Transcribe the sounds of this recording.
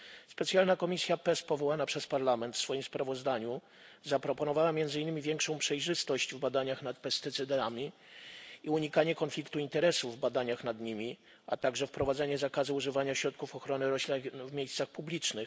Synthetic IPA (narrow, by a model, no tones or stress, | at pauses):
spɛt̪sjalnakɔmʲisʲjapɛspɔvɔwanapʂɛspaɾlamɛnt̪fsfɔjimspɾavɔzd̪aɲu | zapɾɔpɔnɔvawamʲjɛnd̪zɘinːɘmʲivʲjɛŋkʂɔ̃w̃pʂɛjʐɘst̪ɔɕt͡ɕvbad̪aɲaxnat̪pɛst̪ɘt̪sɘd̪amʲi | iuɲikaɲɛkɔnflʲik̚t̪uint̪ɛɾɛsuvːbad̪aɲaxnad̪ɲimʲi | at̪aɡʐɛfpɾɔvad̪zɛɲɛzakazɘuʐɘvaɲaɕɾɔt̪̚kufɔxɾɔnɘɾɔɕlʲivmʲejst̪saxpublʲit͡ʂnɘx